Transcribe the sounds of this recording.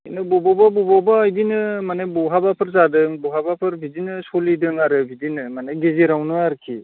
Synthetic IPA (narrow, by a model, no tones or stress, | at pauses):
inɯbɔbɔbabɔbabaːjdinɯmanajbɔɦabapʰɯɾzadɯŋbɔɦabapʰɯɾbʱidinɯsolidɯŋaɾɯbʱidinɯmanaɡeziɾawnɯaɾkʰi